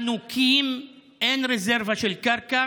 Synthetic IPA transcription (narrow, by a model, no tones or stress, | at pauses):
nukʰim | ʔenʁezeʁvaʃelkaʁka